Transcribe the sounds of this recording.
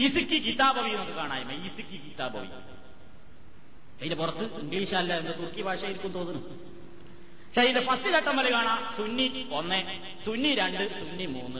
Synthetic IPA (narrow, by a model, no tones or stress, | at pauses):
isikʲːɨkit̪ːaːbɐʋijnokːɨkaːɳaːjɐmːɐiːsikʲːikit̪ːaːbɐ̰ʋḭ | ɐðindepurɐt̪ːɨiŋɡɭiːʂaːlːɐend̪ɨt̪urkibʱaːʂaːjiɾukʲːumt̪oːnːunːu | ɕajindepɐsːiɾɐʈːɐmːɐlekaːɳaːsunːionːe | sunːiɾeɳɖɨsunːimuːnːɨ